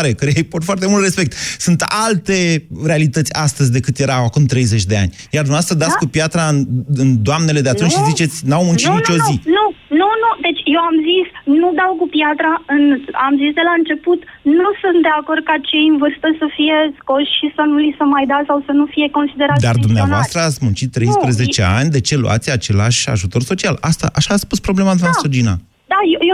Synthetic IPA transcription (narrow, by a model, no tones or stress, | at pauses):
ɾekəjejpot̪foart̪e̞mult̪ɾe̞spe̞k̚t̪sunt̪alt̪e̞ɾe̞alit̪ət̪sʲast̪əzʲd̪e̞kɨt̪je̞ɾaakumt̪ɾe̞jze̞t͡ʃʲd̪e̞a̰nʲ | jard̪umeavast̪ɾad̪atskupjat̪ɾanɨnd̪oamne̞le̞d̪eat̪unt͡ʃʃʃizit͡ʃe̞t̪sʲnawmunt͡ʃinint͡ʃo̞uzinununud̪e̞t͡ʃʲje̞wamzisnud̪awkupjat̪ɾaɨna̰mzisd̪e̞laɨnt͡ʃe̞put̪nusunt̪̚d̪e̞ako̞rd̪̚kat͡ʃe̞jɨnvɨrst̪əsəfije̞sko̞ʃʃisənulisəmajd̪asawsənufije̞ko̞nsid̪e̞ɾat̪d̪ard̪umneavast̪ɾəat̪sʲmunt͡ʃit̪ːɾejsppɾeze̞t͡ʃea̰nʲd̪e̞t͡ʃe̞lṵʔa̰t̪sʲat͡ʃe̞la̰ʃʲa̰ʒut̪o̞rso̞t͡ʃialast̪a̰ʔaʃaːt̪sʲpuspɾo̞ble̞mad̪ansod͡ʒina̰ | d̪ajeje